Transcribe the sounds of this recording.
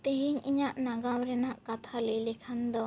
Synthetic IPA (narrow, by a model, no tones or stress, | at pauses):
t̪eɦiɲiɲaʔnaɡawɾɛnaʔkat̪ʰaləjlɛkʰand̪ɔ